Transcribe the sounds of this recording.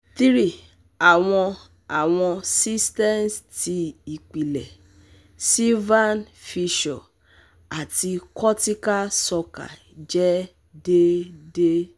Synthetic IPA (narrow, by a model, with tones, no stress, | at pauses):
t̪i˦ɾi˦˨ | a˨w̃ɔ̃˧ | a˨w̃ɔ̃˧si˦stɛ˦nsti˧i˨k͡pi˨lɛ˨ | si˦vã˦nfi˧ʃɔ˨ | a˨ti˧kɔ˦ti˦ka˦sɔ˧ka̰˨ | d͡ʒɛ˦ | de˦de˦